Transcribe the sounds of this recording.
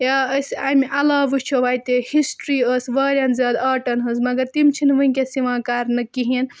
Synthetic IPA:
jaəsamiʔɐlaːʋɨt͡ʃʰoʋaːjt̪ehisʈɾiəsʋɐːɾʲjɐnzʲaːd̪ɐːʈɐnɦɨzmɐɡɐɾt̪imt͡ʃʰinʋɨikesiʋãːkaːɾnɨkiɦin

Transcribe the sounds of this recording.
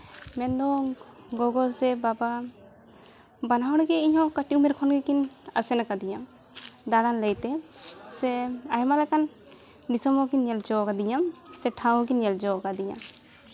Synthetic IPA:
mɛnd̪ɔ | ɡɔɡɔlsɛbaba | banawɽɡɛiɲɦɔ̃kaʈiumɛɾkʰɔnɡɛkina̰sɛnakad̪iɲam | d̪aɾanləjt̪ɛsɛaɦɛmalɛkan | disɔmɔkinjɛld͡ʒɔwkad̪iɲamsɛʈʰãw̃k̬injɛld͡ʒɔwkad̪iɲa̰

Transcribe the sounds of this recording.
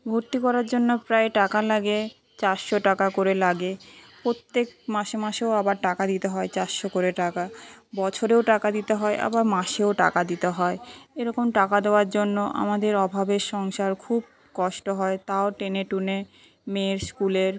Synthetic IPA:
bʱoɾt̪ikɔɾaɾd͡ʑonːopɾaeʈakalaɡe | t͡ɕaɾʃoʈakakoɾelaɡepɾot̪ːek̚maʃemaʃeoabaɾʈakad̪it̪eɦɔet͡ɕaɾʃokoɾeʈakabɔt͡ɕʰoɾeoʈakad̪it̪eɦɔeʔa̰baɾmaʃeoʈa̰kad̪it̪eɦɔeeɾɔkomʈakad̪eoaɾd͡ʑonːoʔa̰mad̪eɾɔbʱabeɾʃɔŋʃaɾkʰub̚ | kɔʃʈoɦɔet̪aoʈeneʈune | meɾskuleɾ

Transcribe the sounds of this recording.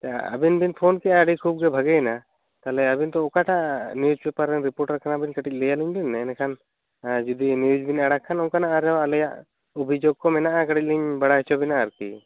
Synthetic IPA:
t̪aə̰binbinpʰonkɛʔaːɖikʰub̚ɡɛbʱaɡɛjna | t̪alɛabint̪ɔɔkaʈaniud͡ʒbɛpaɾɛnɾipoɾʈɾɾkʰanabinkəʈic̚ˀlɛjaliɲbinːɛːnɛkʰan | d͡ʒud̪iniud͡ʒbinaɽakʰːanɔŋkanaaɾɛwalɛjaʔ | ubʱid͡ʒoɡ̚kɔmɛnaʔakəʈic̚liɲbaɽaɦit͡ʃʰɔbinaːɾkḭ

